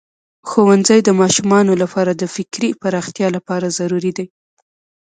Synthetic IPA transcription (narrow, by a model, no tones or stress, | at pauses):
xowanzajd̪əmɑʃumɑnolapɑɾad̪əfɪkɾipaɾɑxt̪jɑlapɑɾazaɾuɾid̪aj